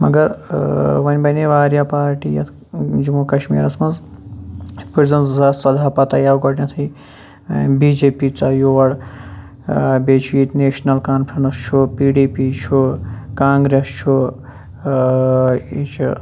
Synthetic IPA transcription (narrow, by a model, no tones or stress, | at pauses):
mɐ̰ɡɐɾ | ʋɐnʲbɐneʋaːɾjapaːɾʈijɐ̰t̪ʰ | d͡ʒumukɐʃmḭːɾɐsmɐz | it̪ʰpizɐnszasɐd̪ʱaːpɐt̪ɐjawɡɐʈnat̪ʰɐi | biːd͡ʒeːpit͡sajoʋɐɽ | beːt͡ʃʰit̪neːʃnɐlkaːnpʰɾɐnɐst͡ʃʰupiːɖiːpit͡ʃʰukaːŋɡɾest͡ʃʰu | it͡ʃʰu